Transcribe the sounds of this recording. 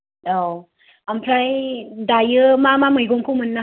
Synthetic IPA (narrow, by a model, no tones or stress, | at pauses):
daw | ampʰɾajdajɯmamamɯjɡoŋkʰumɯnːa